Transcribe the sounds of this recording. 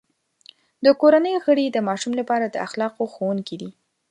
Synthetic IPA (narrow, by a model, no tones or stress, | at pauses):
d̪əkoɾanəjoɣəɽid̪əmɑʃumlapɑɾad̪əaxlɑqoxowuŋkid̪i